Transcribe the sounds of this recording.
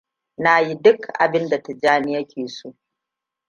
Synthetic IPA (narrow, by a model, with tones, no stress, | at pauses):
na˦ji˦dʊ˦kʔa̰˨bɪ˦nda˨ta˨d͡ʒaː˦nɪ˦ja˦kʲʰeː˨soː˦